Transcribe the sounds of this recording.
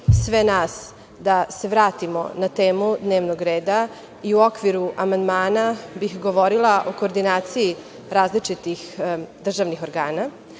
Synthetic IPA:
sʋe̞naːs | d̪ase̞ʋɾaːt̪imo̞̰nat̪eːmud̪ne̞ːʋnoɡɾeːd̪a | iuo̞kʋiɾuʔamand̪maːnabixɡo̞ʋo̞ɾilˠaʔo̞ko̞ːɾd̪inaːt̪siji | ɾaːzlit͡ʃit̪ixd̪r̩ʒaʋnixo̞ɾɡaːna

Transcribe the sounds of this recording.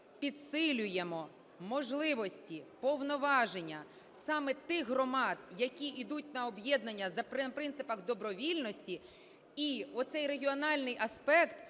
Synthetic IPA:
pʲid̪sɪlʲʊjemɔ | mɔʒlˠɪʋɔsʲtʲipɔwnɔʋɑʒenʲːɐ | sɑmɛt̪ɪɣɦɾɔmɑd̪jɐkʲiid̪utʲnɐɔbjɛd̪nɐnʲːɐzɐpɪpɾɪnt̪ɪpɐxd̪ɔbɾɔʋʲilʲnɔsʲtʲi | iɔt̪sɛjɾeɦʲiɔnɑlʲnɪjʔɐspɛkt̪

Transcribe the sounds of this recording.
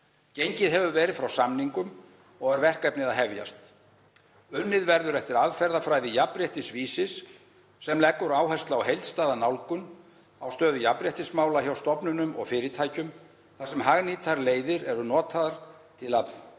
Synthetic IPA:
cejɲcɪðɦɛvʏvɛːɾɪðfɾawsamniŋkʏm | ɔɣɛɾvɛr̥kɛpnɪðaðɦɛvja̰st̪ | ʏnːɪðvɛɾðʏɾɛft̪ɪɾaðfɛɾðafɾajðɪjapɾjɛht̪ɪsviːsɪsː | ɛmlɛkːʏɾaːwɦɛst̪laːwɦejlt̪st̪aːðanawlkʏn | awst̪œːðʏjapɾjɛht̪ɪsmaːwlaçawst̪ɔpnʏnʏmɔ̰ɣfɪːɾɪt̪ʰajcʏm | θasɛmɦaɣnit̪ʰaɾleːjðɪɾɛɾʏnɔːt̪ʰaðaɾ̥t̪ʰɪlapn

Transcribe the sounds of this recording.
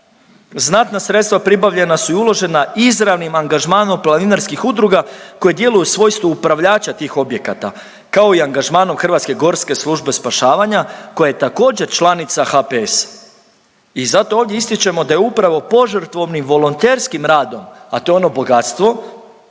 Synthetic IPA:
znat̪nasɾet̪st̪ʋapɾibaʋʎe̞nasuiulˠo̞ʒe̞naizɾaʋnimaŋɡaʒmaːno̞mplˠaninaɾskixud̪ɾuɡako̞je̞d̪je̞lujusʋo̞ːjst̪uːpɾaʋʎaːt͡ɕat̪iːxo̞bje̞kat̪a | kao̞iaŋɡaʒmaːno̞mxr̩ʋat̪ske̞ɡo̞ɾske̞slˠuʒbe̞spaʃaːʋaɲako̞jajet̪ako̞ːd͡ʑe̞ɾt͡ʃlˠanit̪saxapees | izat̪o̞ovd̪je̞ist̪it͡ɕe̞mo̞d̪ajeupɾaʋo̞po̞ʒɾt̪ʋo̞ʋniʋo̞lˠont̪e̞ɾskimɾaːd̪o̞mat̪o̞eo̞no̞bo̞ɡat̪st̪ʋo̞

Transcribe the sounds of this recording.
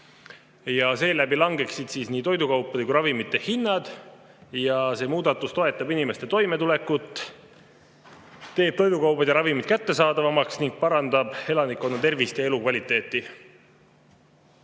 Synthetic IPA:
jɑse̞ːlæbilɑŋɡ̥e̞ksid̪̥siːsniːt̪o̞jd̪ukɑwpːˑɑd̪ekujɾɑvimit̪ːehinːɑd̪̥ | jɑse̞ːmuːd̪̥ɑt̪ːˑust̪o̞e̞t̪ːˑɑbinime̞st̪e̞t̪o̞jme̞t̪ule̞kːut̪ː | t̪e̞ːb̥̚t̪o̞jd̪ukɑwpɑd̪jɑɾɑvimid̪̚kæt̪ːe̞sɑːd̪ɑvɑmɑksniŋɡ̥̚pɑɾɑnd̪̥ɑb̥e̞lɑnikːˑo̞nːɑt̪e̞rvist̪jɑe̞lukvɑlʲit̪ːˑe̞ːt̪ˑːi

